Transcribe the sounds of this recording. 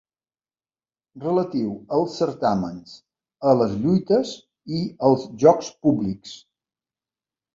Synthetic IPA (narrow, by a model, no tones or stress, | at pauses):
rələt̪iwəlˠsːəɾt̪amə̰ns | ələzʎujt̪əz | iəlˠzʒɔkspubliks